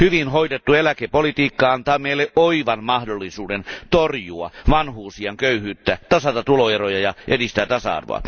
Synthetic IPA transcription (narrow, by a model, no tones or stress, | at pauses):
hyʋinɦoidet̪ːuelækepolit̪iːkːɑɑnt̪ɑːmeilːeʔoiʋɑnmɑhdolːisuːdent̪orjuɑ̰ʋɑnhuːsiɑŋkøyhyːt̪ːæt̪ɑsɑt̪ɑt̪uloerojɑjɑʔedist̪æːt̪ɑsɑ̰ɑ̰rʋo̰ɑ̰